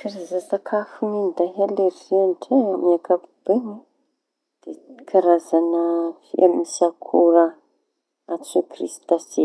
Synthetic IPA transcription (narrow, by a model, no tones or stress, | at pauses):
kaɾazasakʰafuninid̪aɦaleɾiianʈ͡ʂeamiakakub̥eŋe | d̪̥ekʰaɾazanəfḭʔamisakʰuɾa | asokrist̪ase